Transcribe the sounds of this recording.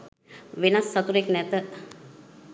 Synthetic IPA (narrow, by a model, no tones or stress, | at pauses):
ʋenasːat̪uɾeknɛt̪ə